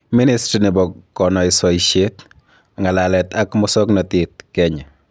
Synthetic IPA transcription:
mi˦nɪstɾi˨nɪ˨bɔ˨kɔ˨nɔ˨ɪ˨so˨iʃe˦t | aŋa˨lalɛ˨t̪a˦kmɔsɔ˦knɔtɪt̪̚kɛ˦ɲɛ˨

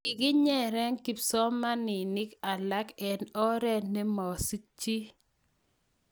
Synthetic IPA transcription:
ɪ˨ɡɪ˦ɲɛ˦˨ɾɛ˦ŋki˨psɔ˦ma˦nɪ˨nɪ˦ka˨la˦kɛ˨nɔ˦ɾɛ˦ne˦mɔ˨si˦t͡ʃːi˦

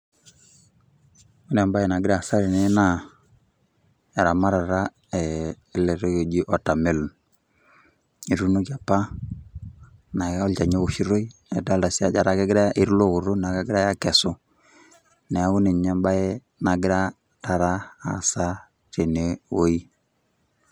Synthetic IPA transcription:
u˦nɛ˨mba˦ɛ˨na˨ɡɪ˦ɾa˦˨sa˦ɾe˨ne˦na˨ | ɛ˨ɾa˨ma˦ɾa˨ɾa˦ | ɛ˨˦ | le˨ɾe˦ke˨d͡ʒi˦ʔɔ˨ta˨me˦lu˨n | i˨ɾu˦no˦ka˨pa˦ | na˨kɔ˦lt͡ʃa˨ɲe˦u˨ʃi˦ɾo˦i˦ɛ˨da˦lda˨si˦a˦d͡ʒa˨ɾa˦kɛ˦ɡɪ˦ɾa˦ʔi˦ɾu˦lo˦ɣu˨ɾo˦n˨a˨ka˦ɡɪ˦ɾa˦ja˦kɛ˨sʊ˦ | nɛ˨a˨ɣu˦ne˨ɲa˦mba˦ɛ˦ | na˨ɡɪ˦ɾa˦ | ta˨ɾa˦a̰˨sa˦ | ɾe˨ne˨wo˦i˦

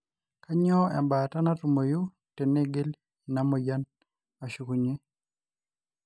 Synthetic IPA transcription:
ka˦ɲɔ˦ɛ̰˨mba˨ta˦na˦tu˨mo˨ju˦ | tɛ˨ne˦ɡe˦l | i˨na˦mɔ˨ja˦n | a˨ʃu˨ku˨ɲe˦

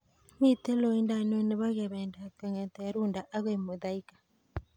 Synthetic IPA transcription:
mi˦te˦lo˨i˦nda˨n˦e˦ne˨βa˦ɣe˨βɛː˨nda˨ka˨ŋɛ˨t̪ɛ˨˦ɾu˦nda˨ʔa˦ɣe˨mo˨ða˦i˦kḁ˨

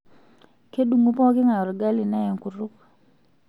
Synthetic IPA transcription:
ke˦ɗu˨ŋu˦pɔ˦kɪ˦ŋa˨ɾɡa˦li˨na˦jɛ˨ŋku˨ɾʊ˦k

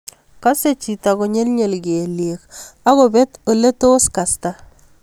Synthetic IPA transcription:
ka˦se˦˨t͡ʃi˨ta˨ko˨ɲe˦lɲe˨lɡe˨lje˨ka˦ɣo˨bɛ˦to˨le˦to˦ska˨sta˦

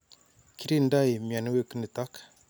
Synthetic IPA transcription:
ki˦ɾi˦nda˦jmi˨a˨n˦we˦kə˦nə˨ta˦k

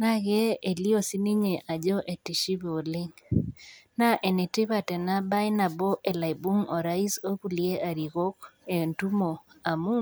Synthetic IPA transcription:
na˦ɣe˦e˨li˦o˦si˦ni˦ɲe˨ʔa˨d͡ʒɔ˦ʔe˨ti˨ʃi˦βɔ˨lɪ˦ŋ | na˦ʔe˨ne˨tɪ˦βa˨tɛ˨na˦ba˦ɪ˦na˨bɔ˦ʔe˨la˨jbu˦ŋɔ˨ɾa˦i˦so˦ku˨lie˦ʔa˨ɾi˨ɣo˦ke˨ntu˦mo˨a˨mu˦

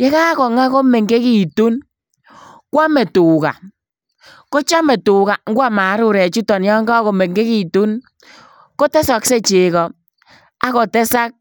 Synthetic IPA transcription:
je˦ka˦kɔ˨ŋa˦ko˦mɛ˨ŋɡe˦ki˨tu˦n | kwa˦mɛ˨tu˨ka̰˨ | ko˦t͡ʃa˦mɛ˨tʊ˨ka˨ŋ̩˦ɡwa˦ma˨˦ɾʊ˦˨ɾɛ˨t͡ʃu˦tɔ˨njɔ˦ŋɡa˦ko˨me˨ŋɡe˦ki˨tu˦n | ko˦tɛ˦sɔ˨kse˦t͡ʃe˨kɔ˨ | a˦kɔ˨tɛ˦sa˦k̚

